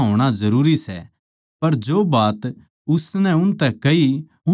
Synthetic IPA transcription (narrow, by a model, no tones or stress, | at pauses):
ɦoːɽ̃azɐɾuːɾisɛ̰ | pɐɾd͡ʒoːbaːt̪ | ʊsnɛ̃ʊnt̪ɛkɐi